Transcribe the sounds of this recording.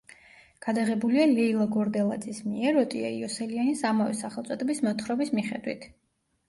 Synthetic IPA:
ɡ̥ad̪aʁɛbulialɛilˠaɡɔɾd̪ɛlˠa̰d̪zismiɛɾɔt̪ʼia̰iɔsɛlianisamavɛsaχɛlˠt̪sʼɔd̪ɛbismɔt̪χɾɔbismiχɛ̰d̪wḭt̪ʰ

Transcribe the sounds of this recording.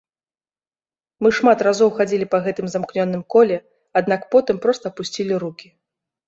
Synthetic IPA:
mɨʂmat̪razɔwxad͡zʲilʲipɐɣɛt̪ɨmzamknʲɔnːɨmkɔlʲɛ | ad̪̚nakpɔt̪ɨmpɾɔst̪ɐpusʲt͡sʲilʲiɾukʲi

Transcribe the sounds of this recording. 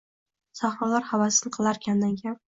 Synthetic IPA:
saχɾɒlaɾhavasɪnɪqʰɨlˠaɾkʲʰand̪ankʲʰap̚

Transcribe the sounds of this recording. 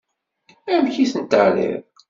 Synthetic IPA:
æmçiθənt̪əʕlḭɾ

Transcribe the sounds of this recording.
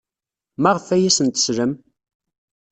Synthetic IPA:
mæʁəfæjæsənt̪ə̥sɾəm

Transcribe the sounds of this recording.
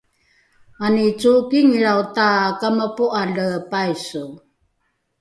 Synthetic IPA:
anit͡sukiŋɻawtakamapuʔaɮəpajsu

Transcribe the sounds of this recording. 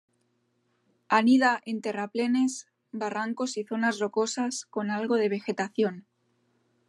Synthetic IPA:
aniðaʔe̞nt̪e̞raple̞ne̞s | baraŋko̞siθo̞nazro̞ko̞sasko̞nalɣo̞ð̞e̞β̞e̞xe̞t̪aθjo̞n

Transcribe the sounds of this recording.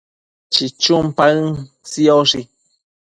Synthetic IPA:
t͡ʃit͡ʃumpaɨŋ | siɔʂi

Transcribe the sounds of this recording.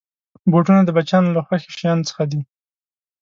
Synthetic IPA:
boʈunad̪əbat͡ʃɑnolaxwaxe̥ʃjɑnt͡sə̥xad̪i

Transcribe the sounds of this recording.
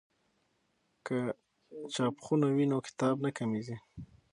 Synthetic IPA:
kə | t͡ʃɑpxunawinokɪ̥t̪ɑbnakamizi

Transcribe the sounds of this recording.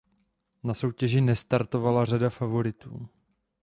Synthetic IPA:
naso̞wcɛʒɪnɛst̪aɾt̪o̞valar̝adafavo̞ɾɪt̪ṵː

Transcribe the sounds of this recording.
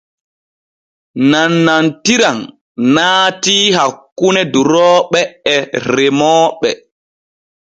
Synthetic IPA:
nanːantiɾan | naːtiɦakːunɛduɾɔːɓɛːɾɛmɔːɓɛ

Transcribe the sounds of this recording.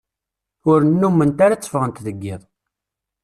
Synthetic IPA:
ʊɾənːumːənt̪aɾat͡sːə̥fəʁənt̪ðəɡːɪðˤ

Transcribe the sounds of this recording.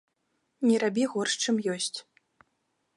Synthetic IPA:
nʲɛɾabʲiɣɔrʂt͡ʂɨmjɔsʲt͡sʲ

